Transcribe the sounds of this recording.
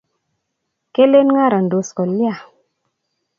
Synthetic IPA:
ke˦le˦nŋa˦˨ɾa˨n˨do˨skɔ˨li˦a˨

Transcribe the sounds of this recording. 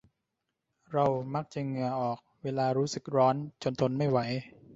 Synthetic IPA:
ɾa˧wma˦˥k̚t͡ɕa˨˩ŋɯ˧ɐʔɔː˨˩k̚weː˧laː˧ɾuː˦˥sɯ˨˩k̚ɾɔː˦˥nt͡ɕo˧nt̪ʰo˧nma˥˩jwa˩˦j

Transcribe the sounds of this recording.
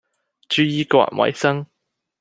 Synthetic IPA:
t͡ʃyː˧jiː˧kʷa̰ː˧k̚wɐ̰˨˩jsɐ˥ŋ

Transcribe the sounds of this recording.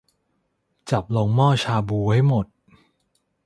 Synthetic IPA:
t͡ɕa˨˩p̚lo˧ŋmɔː˥˩t͡ɕʰaː˧buː˧ha˥˩jmo˨˩t̪̚

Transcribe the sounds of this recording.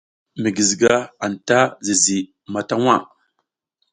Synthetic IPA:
mi˨ɡi˨zɡa˦a˨n˨ta˦zi˨zi˨ | ma˨ta˦wa˦˨

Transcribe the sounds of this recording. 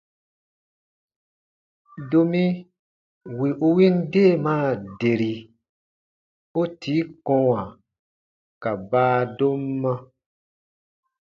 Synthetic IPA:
do˨mĩ˦ | wi˨ʔu˧wĩ˦nde˦˨mãː˦˨de˨ɾi˨ | o˦tʰi˨˦kɔ̃˦wa˨ | ka˨baː˦do˦mːã˦

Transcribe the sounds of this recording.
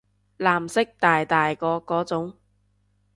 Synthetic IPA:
laː˨˩msɪ˥k̚t̪aː˨jt̪aː˨jkɔː˨˧kɔː˨˥t͡sʊ˨˥ŋ

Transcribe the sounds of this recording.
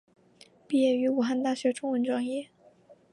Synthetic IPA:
pi˥˩jɛ˥˩y˧˥u˨˩xa˥˧nt̪a˥˩ɕɥɛ˧˥ʈ͡ʂʊ˥ŋwə˧˥nʈ͡ʂwɑ˥ŋjɛ˥˩

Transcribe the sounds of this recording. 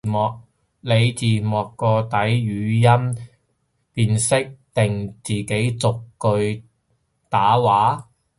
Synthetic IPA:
mɔː˨k̚ | le˨˧jt͡siː˨˩mɔː˨˩kːɔː˧t̪ɐ˨˥jjyː˨˧jɐ˥m | piː˧nsɪ˥k̚t̪ɪ˨ŋt͡siː˨ke˨˥jt͡sʊ˨kkɵ˧ɥ | t̪aː˨˥waː˨˥

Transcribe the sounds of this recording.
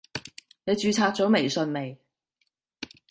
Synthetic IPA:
ne˨˧jt͡ʃyː˨˧t͡sʰaː˧k̚t͡sɔː˨˥me˨˩jsɵ˧nme˨˩j

